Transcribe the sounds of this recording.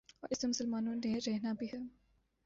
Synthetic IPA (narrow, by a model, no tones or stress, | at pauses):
ɔ̰ʔɪsemʊsəlmaːnõneɾɛɦnabʱiɦɛː